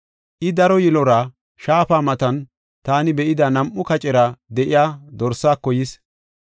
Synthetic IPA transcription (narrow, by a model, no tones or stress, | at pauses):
ʔɪd̪ɐɾɔjɪlɔɾɐ | ʃaːpaːmɐt̪ɐn | t̪aːnɪbɛʔɪd̪ɐnɐmʔːʊkɐt͡ʃʼɛɾɐd̪ɛʔɪjaːd̪ɔɾsːaːkːɔjɪs